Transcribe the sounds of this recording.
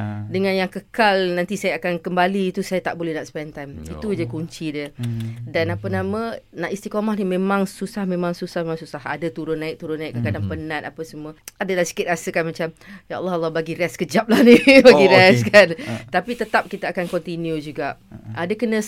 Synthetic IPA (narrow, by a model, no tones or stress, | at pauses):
dəŋãnjaŋkəkalnãnt̪isajaːkankəmbaliːt̪usajat̪aʔbolɛhnaʔspɛnt̪ajmit̪ud͡ʒaikuɲt͡ʃidədanapənamə̃naʔist̪ikomahnimẽmãŋsusahmẽmãŋsusahmemaŋsusaɦa̰dət̪uɾʊnːaɪk̚t̪uɾʊnːakːəkadaŋpənãt̪apəsəmuəadəlahsi̥kɪt̪̚ɾasəkanmat͡ʃamjaʔlːɑlːɔbaɡiɾɛskəd͡ʒap̚lahnibaɡiɾɛskant̪apit̪ət̪ap̚kit̪aakankɔnt̪injud͡ʒuɡaʔʔadəkənə̃